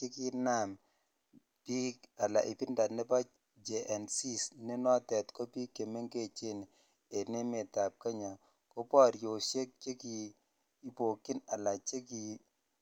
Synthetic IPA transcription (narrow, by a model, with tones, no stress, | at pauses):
t͡ʃe˦ki˦na˦˨m | pi˦ka˨la̰˨ʔɪ˨pɪ˦nda˨tnɛ˦pa˦ | d͡ʒe˨ʔɛ˨nsi˦sne˦nɔ˦tɛ˨tkɔ˦pi˦kːe˨me˦ŋke˦˨t͡ʃe˦n˨ | e˨ne˦me˨ta˨p̚ka˦ɲa˨ | ko˦pɔ˦˨ɾjo˨ʃe˦k̚t͡ʃe˦ki˨ | i˦po˨ki˦na˨la˨t͡ʃe˦ki˨